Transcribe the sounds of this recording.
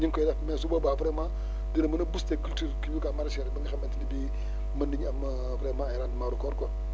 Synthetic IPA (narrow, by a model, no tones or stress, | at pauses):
ɲiŋkodamesubobapɾema | dinamɐnabustekultuɾkibikamaɾaʃeɾbaŋixementidibi | maniampɾemaɾandmaɾukoɾko